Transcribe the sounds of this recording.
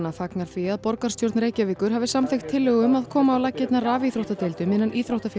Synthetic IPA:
nafaknaɾ̥fiaðpɔɾkarst̪jowɾt̪nɾeːjcaviːkʏɾ̥ɦaːvɪsamθext̪ʰːɪlːœɣʏmaðkʰɔːmaːwlacːɪt̪naraːviθɾowht̪at̪elt̪ʏmɪnːanʔiːθɾowht̪af

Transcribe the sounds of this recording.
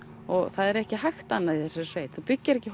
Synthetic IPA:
ɔɣθaðɛɾɛhcɪɦajxt̪anːaðiθɛsɛɾsveːjt̪θupʏcːɪɾɛhcɪh

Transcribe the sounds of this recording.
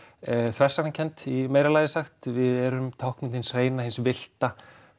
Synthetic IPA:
θvɛrsak̪ancʰɛnt̪imeːjɾalajðɪsaxt̪vɪðɛɾʏmt̪ʰɔwhknɪnhɪnsreːjnahɪnsvɪl̥t̪a

